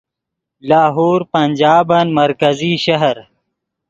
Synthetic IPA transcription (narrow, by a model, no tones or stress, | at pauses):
laːɦoːɾpɐnʲd͡ʒaːbɐnmɐɾkɐziʃɐɦɐɾ